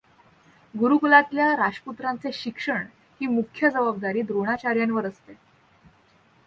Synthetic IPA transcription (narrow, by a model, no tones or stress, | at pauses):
ɡuɾukulat̪ljaɾaʂʈput̪ɾant͡seɕikʂəɳ | hiːmukʰːjəd͡zəbab̚d̪aɾiːd̪ɾoɽ̃at͡ɕaɾjanʋəɾəst̪e